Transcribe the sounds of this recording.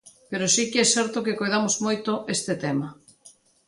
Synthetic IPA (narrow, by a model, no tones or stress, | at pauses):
peɾosikeɛsɛɾt̪okekojðamozmojt̪oʔest̪ɪt̪ɛma